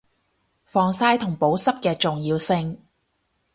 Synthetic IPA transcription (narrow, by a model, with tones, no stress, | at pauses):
fɔː˨˧ŋsaː˧˥jt̪ʰʊ˨˩ŋpo˨˥wsɐ˥p̚kɛː˧t͡sʊ˨ŋjiː˧wsɪ˧ŋ